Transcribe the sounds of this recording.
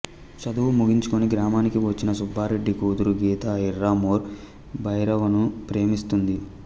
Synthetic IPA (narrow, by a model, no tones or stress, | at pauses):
t͡ʃɐd̪uʋumuɡiɲt͡ʃu̥koniɡɾaːmaːnikiʋɐt͡ʃːinɐsubʱːaːɾe̞ɖːikuːd̪uɾuɡiːt̪aiɾːaːmoːɾ | bɐjɾɐʋɐnupɾe̞ːmist̪und̪i